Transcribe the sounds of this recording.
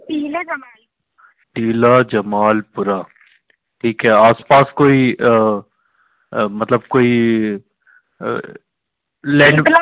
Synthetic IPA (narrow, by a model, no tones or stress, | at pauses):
iːlad͡ʒɐmaːl | ʈiːlaːd͡ʒɐmaːlpʊɾaː | ʈʰiːkɦɛːaːspaːskoːi | mɐt̪ləb̚koːi | lɛ̃ːɖ